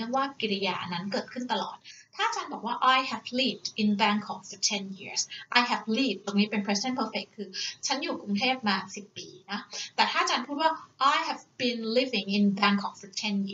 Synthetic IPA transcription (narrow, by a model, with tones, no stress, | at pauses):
waː˥˩ki˨˩li˧ja̰ː˧˩na˦˥nkɤː˨˩t̪̚kʰɯ˥˩nt̪a˧lɔ̰ː˨˩t̪̚t̪ʰa˥˩ʔa˨t͡ɕaː˧nbɔː˨˩k̚waː˥˩ʔa˧jhɛ˨˩vliː˦˥˩p̚dʔi˧nbɛː˧˥ŋkʰːɔː˩˦ŋfɔ˨˧t̪ʰe˧nji˦˥˩sʔa˧jɦɛ˨˩vliː˥˩p̚t̪oː˧ŋniː˦˥pe˧npʰɛ˦˥si˩da˥˩npʰɤː˧fe˨˩kʰːɯː˧t͡ɕʰa˦˥njuː˨˩ku˧ŋt̪ʰeː˥˩p̚maː˧si˨˩pːiː˧na˦˥t̪ɛː˨˩t̪ʰaː˥˩a˨˩t͡ɕaː˧npʰuː˥˩t̪̚waː˥˩ʔa˧jhɛ˨˩vbi˧nli˦˥vi˨ŋʔi˨˧nbɛː˧ŋkʰːɔː˩˦ŋfɔ˨˩t̪ʰe˧nji˦˥˩